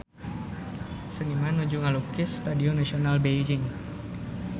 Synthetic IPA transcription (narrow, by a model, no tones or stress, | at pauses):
sənimanud͡ʒʊŋalukɪst̪adiɔnasionalbeid͡ʒɪŋ